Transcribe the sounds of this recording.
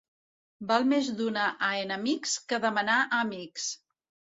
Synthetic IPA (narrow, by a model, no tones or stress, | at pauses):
balˠmezd̪unaʔəenəmikskəðəmənaʔəmiks